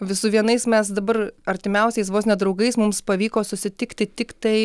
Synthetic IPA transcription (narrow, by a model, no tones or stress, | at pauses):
ʋʲɪsʊʋʲiɛnɐɪsmʲɛsd̪ɐbɐrɐɾʲt̪ʲɪmʲɛʊsʲɛɪs̬ʋoːsnʲɛd̪ɾɐʊɡɐɪsmʊmspɐʋʲiːkoːsʊsʲɪt̪ʲɪkt̪ʲɪt̪ʲɪkt̪ɐɪ